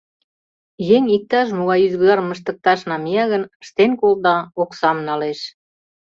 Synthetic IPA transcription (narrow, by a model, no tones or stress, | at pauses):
jeŋʲik̚t̪ɑʃ̬muɣɑjyzɣɣɑɾməʃ̬t̪ə̆k̚t̪ɑʃnɑmijɑɣənəʃt̪enkold̪ɑoksɑmnɑleʃ